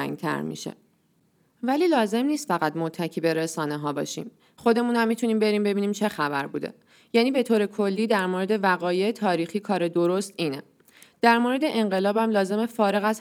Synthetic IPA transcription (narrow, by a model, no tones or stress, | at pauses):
ŋɡ̚t̪ʰæ̰ɾmḭʃḛ | væliːlɒːze̞mniːst̪fæɣæd̪mot̪ʰːæcʰiːbe̞ɾesɒːne̞ɦɒːbɒ̰ːʃḭːm | χo̞d̪e̞muːnæmːit̪ʰuniːmbe̞ɾiːmbe̞biːniːmt͡ʃʰe̞xæbæɾbuːd̪e̞̰ | jæːniːbe̞t̪ʰoːɾe̞kʰo̞lːiːd̪æɾmoɾe̞d̪e̞væɣɒːjeːt̪ʰɒːɾiːxiːkʰɒːɾe̞d̪o̞ɾost̪iːne | d̪̥æɾmoɾe̞d̪e̞ʔe̞ŋɢe̞lɒːbæmlɒːze̞me̞fɒːɾe̞ɣæz